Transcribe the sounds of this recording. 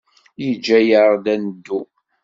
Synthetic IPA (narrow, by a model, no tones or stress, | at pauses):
jid͡ʒːæjəɾˤd̪ænəd̪ːu